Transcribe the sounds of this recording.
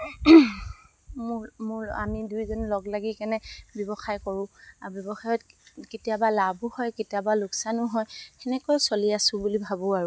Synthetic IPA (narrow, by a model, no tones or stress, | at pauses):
mʊɹmʊɹa̰midujzɔnlɔɡlaɡikanɛbjɔbɔxajkɔɹʊ̃abjɔbɔxajɔtketijabalabʱʊhɔjketijabalʊksanʊɦɔjɛnɛkɔjsoliasʊ̃bulibʱabɔaɹʊ